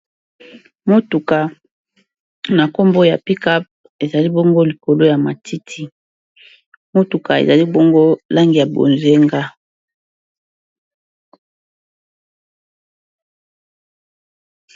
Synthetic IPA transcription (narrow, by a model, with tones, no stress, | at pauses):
mo˦tu˨ka˨ | na˨ko˦mbo˦ja̰˨pi˦ka˦p̚ | e˨za˨li˦bo˦ŋɡo˦li˨ko˨lo˦ja˨ma˨tʰi˦tʰi˦ | mo˦tu˨ka˨ḛ˨za˨li˦bo˦ŋɡo˦la˦ŋɡi˨ja˨bo̰˨nze˦ŋɡa˦